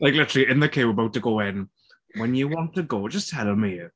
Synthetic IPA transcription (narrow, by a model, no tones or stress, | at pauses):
lajklɪtəɾəlˠiɪ̃nðəkʰewəbawtʰəɡoːɪn | wɛ̃njəwɔntʰəɡoːd͡ʒəstʰɛlmi